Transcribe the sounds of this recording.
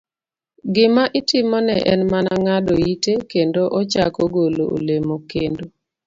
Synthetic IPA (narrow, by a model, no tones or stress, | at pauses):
ɡɪmaʔɪtɪmɔnɛʔɛnmanaŋadoitekendoʔɔt͡ʃa̰kɔɡolo̰o̰lemokendo